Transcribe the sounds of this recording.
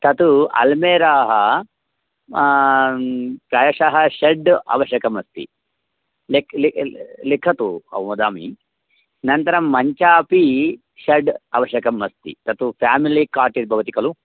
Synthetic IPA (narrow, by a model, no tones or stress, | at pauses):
t̪ʰɐt̪uɐ̰lmeːɾaːɦɐ | pɾɐːjɐʂaːɦɐʃɐɖɐ̰ʋɐʃjɐkɐmɐst̪ḭ | lekllikʰɐt̪uɐ̰ʋmɐd̪aːmḭ | nɐnt̪ɐɾɐmːɐɲt͡ʃaːpi | ʃɐɖɐʋɐʃjɐkɐmːɐst̪ḭt̪ɐt̪upʰaːmilikaːɾʈiɾbʱɐʋɐt̪ikɐlu